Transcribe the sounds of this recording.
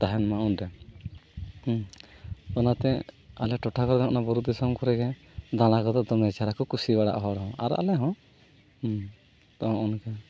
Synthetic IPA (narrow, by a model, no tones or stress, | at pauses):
t̪aɦɛnmaunɖɛ | ɔnat̪ɛalɛʈɔʈʰakɔɾd̪ɔ̃ʔɔnabɔɾud̪isɔmkɔɾɛɡɛ | d̪ãlakɔd̪ɔd̪ɔmɛt͡ʃaɾakɔkusibaɽa̰ʔɦɔɽɦɔ̃ʔa̰ɾʔa̰lɛɦɔ̃ | t̪ɔ̃ʔɔnkɛ